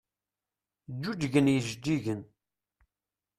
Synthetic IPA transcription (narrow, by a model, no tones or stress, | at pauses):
d͡ʒːud͡ʒ̪ʝənjiʒd̪ːiʝən